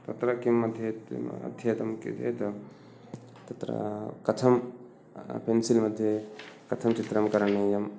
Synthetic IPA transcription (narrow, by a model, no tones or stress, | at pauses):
t̪ɐt̪ɾɐkimɐd̪ʱjeɐ̰d̪ʱjet̪ɐmkḛd͡ʒḛt̪ɐ | t̪ɐt̪ɾɐ̰kɐt̪ʰɐm | pʰensilmɐd̪ʱːjekɐt̪ʰɐmt͡ʃit̪ɾɐmkɐɾɐnːɐjɐm